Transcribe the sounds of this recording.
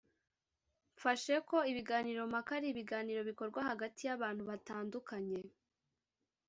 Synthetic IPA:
ɱfaʃe̞ko̞iβiɡaːniːɾo̞makaɾiβiɡaːniːɾo̞βiko̞ɾɡwahaɡatijaβaːn̥huβataːndukʰaɲe̞

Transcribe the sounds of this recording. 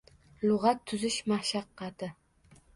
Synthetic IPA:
lʊʁɑt̪ʰːʊzɪʃmaʃɑqːɑt̪ʰɪ

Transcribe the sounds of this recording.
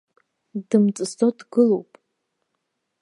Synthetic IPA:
dɨmt͡sʼɨstodɡɨlowpʼ

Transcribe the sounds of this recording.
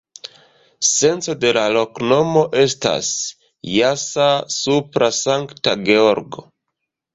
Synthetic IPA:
se̞nt͡so̞de̞lalo̞kno̞mo̞ʔe̞sta̰s | jasasupɾasaŋktaɡe̞o̞ɾɡo̞̰

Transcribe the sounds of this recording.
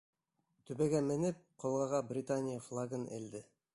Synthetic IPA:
t̪ɵbæɡæmɘ̆nɘp̚qʰolˠʁɑʁɑbrʲɪt̪anʲɪjəflˠaɡənḛld̪ɘ

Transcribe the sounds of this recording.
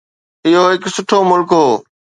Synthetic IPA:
ɪɦoːɦɪksʊʈʰoːmʊlkɦoː

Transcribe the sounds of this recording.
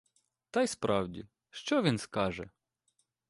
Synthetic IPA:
t̪ɑjspɾʔɑwdʲḭ | ʃt͡ʃɔʋʲinskɑʒɛ̰

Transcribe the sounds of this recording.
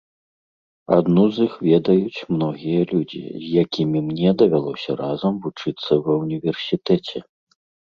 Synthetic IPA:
a̰d̪nuzixvʲɛd̪ɐjut͡sʲmnɔɣʲijɐlʲud͡zʲḭzʲjakʲimʲimnʲɛd̪ɐvʲalˠɔsʲɐɾazɐmvut͡ʂɨt̪sːɐwɐwnʲivʲɛrsʲit̪ɛt͡sʲɛ

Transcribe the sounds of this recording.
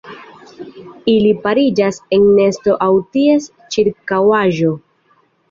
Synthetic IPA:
ilipaɾid͡ʒase̞nne̞sto̞ʔawtie̞s | t͡ʃiɾkawaʒo̞

